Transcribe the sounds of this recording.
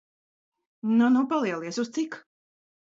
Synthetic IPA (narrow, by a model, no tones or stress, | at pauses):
nunupalˠiɛlˠiɛsust̪sik